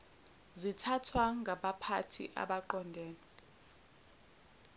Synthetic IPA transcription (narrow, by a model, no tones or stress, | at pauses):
zitʰatʰwaŋɡʱaɓapʰatʰḭʔa̰ɓaǃɔndʱɛːnɛ